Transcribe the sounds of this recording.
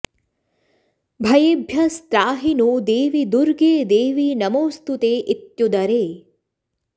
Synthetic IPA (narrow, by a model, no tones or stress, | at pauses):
bʱɐjebʱjɐst̪ɾaːɦinud̪eːʋid̪uɾɡeːd̪eːʋinɐmoːst̪ut̪eːʔɪt̪jud̪ɐɾeː